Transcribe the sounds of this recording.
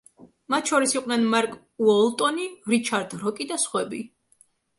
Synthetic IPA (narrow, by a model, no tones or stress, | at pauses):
mat̪ʰʃɔɾisiqʼnɛnmaɾkʼ | uɔlˠt̪ʼɔniɾit͡ʃʰaɾd̪ɾɔkʼid̪asχwɛbḭ